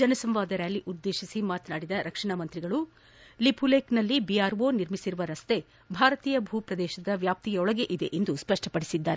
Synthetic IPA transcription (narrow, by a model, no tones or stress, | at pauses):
d͡ʒɐnɐsɐmʋaːd̪ɐɾaːliʔud̪ːe̞ːʃisimaːt̪naːɽid̪ɐɾɐkʂɐɳamɐnt̪ɾiɡɐɭu | lipʰuleːknɐlːibiaːɾʋoniɾmisiɾuʋɐɾɐst̪e̞ | bʱaːɾɐt̪iːjɐbʱuːpɾɐd̪ɛːʃɐd̪ɐʋjaːp̚t̪ijɐɔɭɐɡe̞ʔid̪e̞ʔend̪uspɐʂʈʰɐpɐɽisid̪ːaːɾe